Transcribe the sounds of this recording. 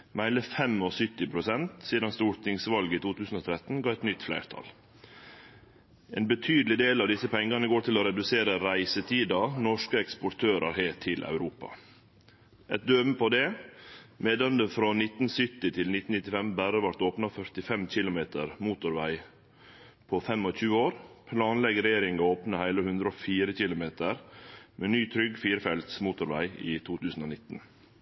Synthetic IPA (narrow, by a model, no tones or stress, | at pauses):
mæɪləfɛmɔsʏt̪ːɪpʰɾʊsɛnt̪siːd̪ɑnst̪uːɾt̪ɪŋsʋɑlɡəiːt̪uːt̪ʉːsn̩oːt̪ʰɾɛt̪n̩ɡɑːɛt̪nʏt̪ːflæ̰ɪɾt̪ʰɑ̰l | eːnbət̪ʰyːd̪l̩ɪd̪eːlɑʋd̪ɪsəpʰɛŋɡɑnəɡoːt̪ɪloɾɛd̪ʉseːɾəɾæɪsət̪ʰiːd̪ɑnɔʂkəɛkspɔʈ̪ʰøːɾʔɑ̰ɾheːʈʰɪlʔɑ̰ʉɾuːpɑ̰ | ʔɛt̪̚d̪øːməpʰɔd̪ɛ | meːd̪ɑnd̪əfɾonɪt̪n̩sʏt̪ːɪt̪ʰɪlnɪt̪n̩nɪt̪ːɪfɛmbæɾəʋɑʈoːpnɑfœt̪ɪfɛmc͡çɪlʊmeːt̪əɾmuːt̪ʊɾʋæɪ | pʰofɛmːɔçʉːəoːɾpʰlɑːnlɛɡɾɛjeːɾɪŋɑoːpnəhæɪləhʉnd̪ɾofiːɾəçɪlʊmeːt̪əɾmeːnyːt̪ʰɾʏɡfiːɾəfɛlt̪smuːt̪ʊɾʋæɪiːt̪ʰuːt̪ʰʉːsn̩oːnɪt̪n̩